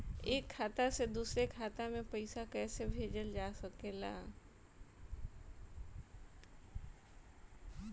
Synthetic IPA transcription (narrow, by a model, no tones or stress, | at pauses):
eːkʰːaːt̪ased̪uːsɾekʰaːt̪amẽpəɪsakɛːsebʱeːd͡ʒəld͡ʒaːsəkeːla̰ː